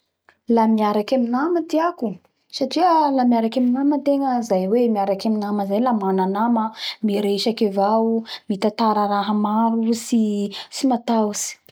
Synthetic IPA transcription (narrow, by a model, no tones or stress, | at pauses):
lamiaɾakaminamət̪iaku | saʈ͡ʂiəlamiaɾakaminamət̪eŋəizajwemiaɾakaminaməzajlamananaməmiɾeʃakevamit̪at̪aɾəɾaɦəmaɾusisimat̪asi̥